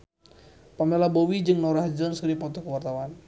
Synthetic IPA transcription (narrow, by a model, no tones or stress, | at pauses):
pamɛlabowid͡ʒɨŋnɔɾaɦd͡ʒɔnskəɾipɔt̪ɔkəwart̪awan